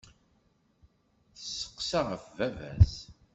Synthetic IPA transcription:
θəsːə̥qːsaʁəfvævæ̰s

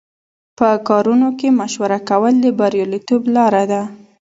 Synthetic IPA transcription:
pəkɑɾunokemaʃwaɾakawəld̪əbaɾjɑlit̪oblɑɾad̪a

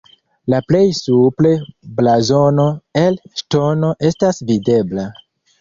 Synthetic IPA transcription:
laple̞jsuple̞blazo̞no̞elʃto̞no̞ʔe̞stasvide̞bla

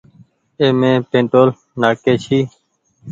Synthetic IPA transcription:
eːmẽːpẽːɳʈoːl | naːkeːʃiː

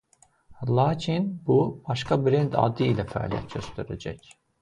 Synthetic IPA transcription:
lˠɑːcʰinbub̥ɑʃkɑbɾend̪ɑ̰d̪ɯilæfæɑ̰lijæ̰t̪ɟøst̪eɾæd͡ʒæc

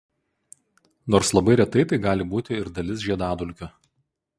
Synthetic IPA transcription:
noːɾslˠɐbɐɪɾʲɛt̪ɐɪt̪ɐɪɡɑːlʲɪbuːt̪ʲɪɪɾd̪ɐlʲɪs̬ʒʲiɛd̪ɑːd̪ʊlʲkʲʊ

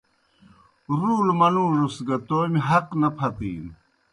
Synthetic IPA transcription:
ɾuːlmɐlũːɾusɡɐt̪oːmiɦɐqnɐpʰɐt̪ḭːn

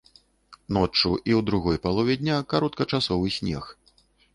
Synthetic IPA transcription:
nɔt͡ʂuʔiwd̪ɾuɣɔjpalˠɔvʲɛd̪ʲnʲakaɾɔt̪̚kɐt͡ʂasɔvɨsʲnʲɛx

